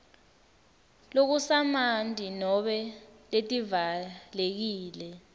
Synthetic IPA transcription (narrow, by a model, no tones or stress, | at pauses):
lok̬usamandʱinɔɓɛletʼivalek̬iːlɛ